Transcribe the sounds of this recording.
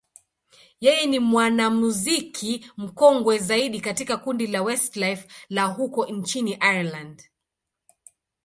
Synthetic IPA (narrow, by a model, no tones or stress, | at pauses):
jɛjɛnimwanamuzikʰim̩kɔŋɡwɛzaiɗikatikakundilawɛstlajflaɦukɔnt͡ʃiniʔaland